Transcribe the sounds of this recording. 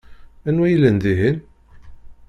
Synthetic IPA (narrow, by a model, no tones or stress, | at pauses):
ænwæjəlːənd̪iɦin